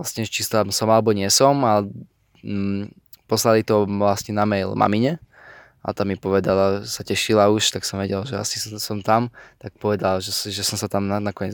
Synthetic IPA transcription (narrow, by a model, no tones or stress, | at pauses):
lasɲɛʒɛt͡ʃist̪amsɔmalɛbɔɲɪɛsɔma | pɔslalit̪ɔʋlasɲɛnamɛjlma̰miɲɛ | ʔa̰t̪amipɔʋɛd̪alaʒɛsacɛʃilauʃt̪aksɔmʋɛɟɛlaʒɛa̰sissɔmt̪amt̪ak̚pɔʋɛd̪alaʒɛʒɛsɔmsat̪amnanakɔɲɛ